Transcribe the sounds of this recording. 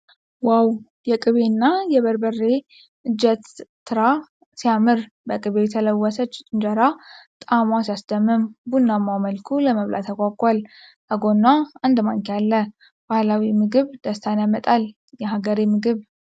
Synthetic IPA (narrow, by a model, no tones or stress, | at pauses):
waw | jɛkʼɨβe̞nːajɛβəɾbərːe̞ | ʔɨd͡ʒɛt̪ː | ɨɾa | sijamɨɾ | bəkʼɨβejɛt̪ʰələwːəsət͡ʃːt͡ʃʼɨnd͡ʒəɾat̪ʼamasijasd̪əmːɨmbunːamːaməlkʰuləməβlʔa̰t̪ʰəkʼakʼʷalt̪ʰəɡonːaɨnd̪maŋkʰealːə | b̥ahlawimɨɡɨβd̪̥əst̪ʰanjamət̪ʼal | jɛɦaɡəɾemɨɡɨβ